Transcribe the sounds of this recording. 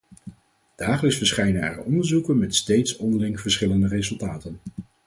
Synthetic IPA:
d̥aːχələksfəɹsχɛjnənɛ̰rəɔndəɹzukənmɛtstejtsɔndəlɪŋv̥əɹsχɪləndərezɵlˠtaːtən

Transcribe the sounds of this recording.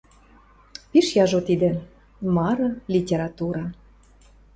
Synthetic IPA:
piʃjɑʒot̪id̪ĕ | mɑɾɤ̆lʲitʲeɾɑt̪uɾɑ

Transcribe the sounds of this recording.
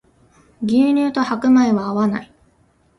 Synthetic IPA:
ɡʲɨːɲ̟ʲɨːt̪o̞hakɯ̟maeβaːβana̰i

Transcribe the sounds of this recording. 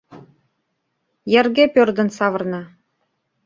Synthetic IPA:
jɘ̆rɡʲepørd̪ə̆nsɑvɤ̆rnɑ

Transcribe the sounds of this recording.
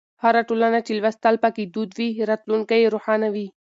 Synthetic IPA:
haɾaʈolanat͡ʃelwast̪alpaked̪ud̪wiɾɑt̪luŋkajeɾoħɑnawi

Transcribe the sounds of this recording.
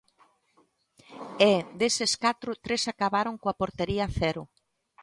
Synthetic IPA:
ed̪eseskat̪ɾʊt̪ɾesakaβaɾoŋkoapoɾt̪eɾiɐθɛɾʊ

